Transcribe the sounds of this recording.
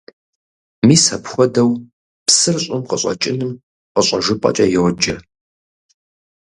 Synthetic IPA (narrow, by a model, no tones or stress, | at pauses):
miːsɐpxʷɔdɐw | psɨrɕʼɪmqəɕʼɐ̰t͡ʃʼɪnɨm | qəɕʼɐʒɨpʼɐ̰t͡ʃʼɐjɛwd͡ʒɐ